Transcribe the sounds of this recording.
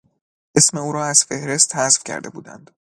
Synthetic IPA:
ʔe̞sme̞uːɾɒːæz̥fe̞hɾe̞st̪hæzfcʰæ̰ɾd̪ebṵːd̪æ̰nd̪̥

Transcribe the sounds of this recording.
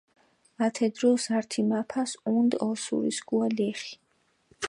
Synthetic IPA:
at̪ʰɛd̪ɾɔsaɾt̪ʰimapʰasund̪ɔlsṵɾḭsɡualɛχi̥

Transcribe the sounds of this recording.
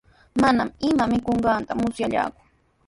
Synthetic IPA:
manamɪmamɪkoɴɢɑnt̪amʊsjaʎa̰ːkʊ̥

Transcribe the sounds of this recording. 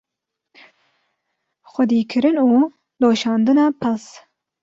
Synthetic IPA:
xʷɛd̪iːkʰɨɾɨnuː | loːʃɑːnd̪ɨnɑːpʰɨls

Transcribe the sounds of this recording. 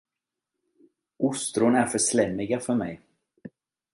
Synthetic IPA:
ʔʊst̪ɾʊnæɾfœʂlɛmːɪɡafœɾmɛ̰j

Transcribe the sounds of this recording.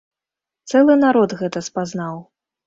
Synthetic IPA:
t̪sɛlˠɨnaɾɔd̪ɣɛt̪ɐspaznaw

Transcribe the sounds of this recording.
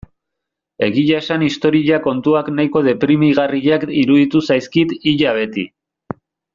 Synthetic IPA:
e̞ɣiʎae̞sanist̪o̞ɾiʎako̞nt̪uaknajko̞ðe̞pɾimiɣariʎakiɾuðit̪usajskit̪iʎaβ̞e̞t̪ḭ

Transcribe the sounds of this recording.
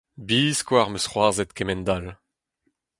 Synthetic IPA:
biːskwaʁmøsχwaːʁzɛt̪kɛmɛnd̪al

